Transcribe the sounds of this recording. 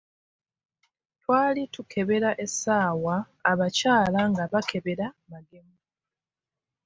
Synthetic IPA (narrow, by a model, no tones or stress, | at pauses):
twaːlitukʰe̞βe̞ɾaʔe̞sːaːwaː | βacaːlaŋɡaβakʰe̞βe̞ɾamaɡe̞mu